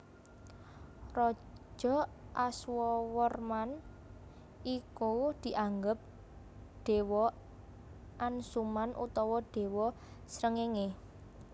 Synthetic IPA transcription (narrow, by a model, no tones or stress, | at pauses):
rɔ̥ | ʒ̥ɔ̤ʔaswɔwərman | ikud̪̥i̤ʔaŋɡəp̚ | ɖ̪̥e̤wɔ | ʔansumanʔṵt̪ɔwɔɖ̥e̤wɔ | sɾəŋeŋe